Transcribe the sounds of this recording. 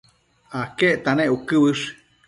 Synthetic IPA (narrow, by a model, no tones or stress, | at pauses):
akeʔt̪anẽʔukɨβɨʂ